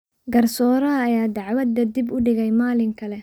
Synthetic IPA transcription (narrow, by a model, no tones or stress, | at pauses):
ɡɐrsɔːɾɐːjaːd̪ɑʕwɐd̪ːɐd̪ibʊɖɪɣɛjmaːlɪŋkʰɐlɛ